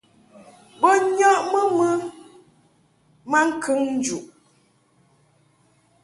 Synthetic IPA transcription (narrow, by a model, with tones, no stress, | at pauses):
bɔ˦ɲɔ˦ʔmə˦mə˦ | ma˦ŋ̩˦kʰɨ˦ŋn̩˦d͡ʒu˨ʔ